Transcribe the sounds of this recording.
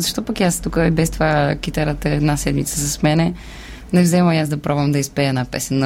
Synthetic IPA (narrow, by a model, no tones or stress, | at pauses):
zɐʃt̪ɔpakiast̪ukəibɛst̪ovakit̪ɛɾət̪əɛd̪nasɛd̪mit̪sə̥sɐsmɛnɛ | nɛvzɛməmiazd̪ɐpɾɔbvəmd̪ɐispɛɛd̪napɛ̰sɛnː